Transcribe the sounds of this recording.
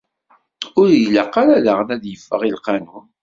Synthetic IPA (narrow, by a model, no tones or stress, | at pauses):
ʊɾjləqːaɾalaʁənæðjəfːəʁilqanu